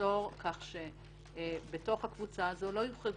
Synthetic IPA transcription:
o̞ʁkʰaχʃe | beto̞χhakvut͡saːzo̞lo̞juχeɡ

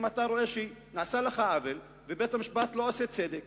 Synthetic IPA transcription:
mat̪aɾo̞eʃenaːsaleχaavel | vebet̪amiʃbat̪lo̞aset͡sed̪ek

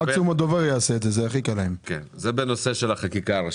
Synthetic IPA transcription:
aksumad̪oveʁjaːseːd̪zezeaχikalaemkenzebenoseʃelaχakikaːʁa

